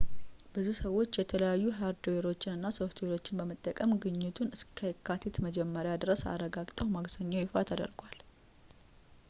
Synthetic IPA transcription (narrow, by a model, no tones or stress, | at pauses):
bɨzusəwo̞t͡ʃːjɛt̪ʰələjajːuɦaɾd̪eɾo̞t͡ʃːɪnɨnːasoft̪ʰweɾo̞t͡ʃːɪnbəmət̪ʼːəkʼəmɡɨɲːɪt̪ʰunɨskʰəkʰːat̪ʰet̪məd͡ʒɛmːəɾjad̪ɾəsa̰ɾəɡaɡt̪ʼəwmaɡsəɲːajɪfa̰t̪ʰəd̪ə̰ɾɡal